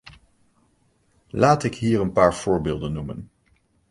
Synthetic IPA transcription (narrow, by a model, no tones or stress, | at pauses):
laːtɪkɦiːɹənpaːɹv̥ʊːɹbɪːlˠdənːumə̰n